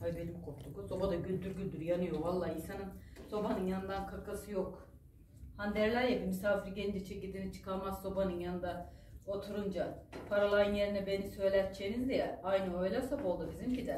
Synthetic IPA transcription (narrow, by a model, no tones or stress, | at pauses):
abelʲimkʰopt̪ʰukuso̞bad̪aɟylʲd̪yɾɟylʲd̪yɾjanɯjo̞valˠːaːinsanɯnso̞banɯnjanɯnd̪ankʰakasɯjok | hand̪æɾlʲæɾjabimysaːfiɾɟeind͡ʒɛt͡ʃʰecilʲd̪init͡ʃʰɯ̥kʰaɾmazso̞banɯnjanɯnd̪a | ot̪ʰuɾund͡ʒapʰaɾalˠajɯnje̞ɾinɛbe̞nisø̞jlʲæt̪̚t͡ʃʰenizd̪ijɛlʲajnɯø̞jlʲɛsopo̞lˠd̪ubizimcid̪ɛ